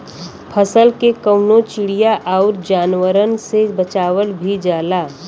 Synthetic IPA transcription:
pʰəsəlkekəʊnot͡ʃɪɽijaʔaʊɾd͡ʒaːnʋəɾənsebət͡ʃaːʋəɽbʱid͡ʒaːlaː

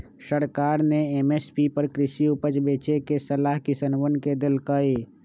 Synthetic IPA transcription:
səɾkaːɾneemespipəɾkɾɪsiupət͡ʃbeːt͡ʃekesəlaːɦkɪsənʋənked̪ɪlkəe

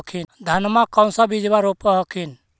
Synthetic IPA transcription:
kʰind̪ʱanmakɔw̃sabid͡ʒbaɾopɔɦɔkʰin

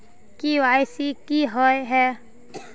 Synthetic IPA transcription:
kiːʋaːjsikiɦɔjɦɛ

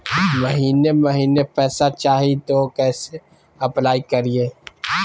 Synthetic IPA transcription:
mɐɦiːnemɐɦiːnepɛːsat͡ʃaːɦit̪okɛːse | ɐplaːikɐɾieː

